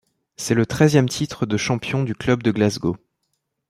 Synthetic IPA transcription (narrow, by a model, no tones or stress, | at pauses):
sɛlət̪χɛzjɛmt̪ʰit̪χəd̪əʃɑ̃pjɔ̃d̪yklœbd̪əɡlazɡo